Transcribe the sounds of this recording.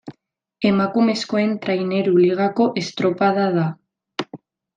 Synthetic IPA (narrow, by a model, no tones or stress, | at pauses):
emakumeskoent̪ɾaineɾuliɣakoʔest̪ɾopaðaða